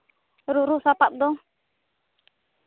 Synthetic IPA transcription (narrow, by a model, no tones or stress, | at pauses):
ɾuɾusapap̚d̪ɔ